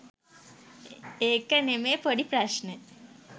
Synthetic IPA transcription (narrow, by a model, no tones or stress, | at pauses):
eːkːɐnemeːpɐɽipɾɐʃne